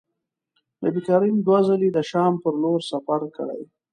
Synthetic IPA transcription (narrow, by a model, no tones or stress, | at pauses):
nə̰bikɑɾind̪wazəlid̪əʃɑmpəɾloɾsafaɾkəɽə̰j